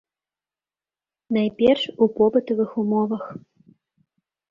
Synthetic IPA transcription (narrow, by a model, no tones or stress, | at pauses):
najpʲɛrʂupɔpɨt̪ɐvɨxumɔvɐx